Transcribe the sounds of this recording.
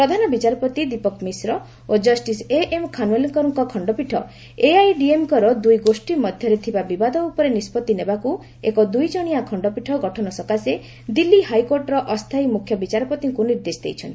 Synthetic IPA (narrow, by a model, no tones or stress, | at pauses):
ppɾɔd̪ʱanɔbit͡ʃaɾɔpɔt̪id̪ipɔkmisɾɔ | od͡ʒɔsʈiseʔemkʰanuweliŋkɔɾɔŋkɔkʰɔɳɖɔpiʈʰɔ | eajɖiemkɔɾɔd̪ujɡosʈimɔd̪ʱjɔɾet̪ʰibabibad̪ɔupɔɾenispɔt̪ːinebaku | ḛkɔd̪ujt͡ʃɔɽ̃iakʰɔɳɖɔpiʈʰɔɡɔʈʰɔnɔsɔkase | d̪ilːihajkoɾʈɔɾɔʔɔst̪ʰajmukʰjɔbit͡ʃaɾɔpɔt̪iŋkuniɾd̪esd̪ejt͡ʃʰɔnt̪i̥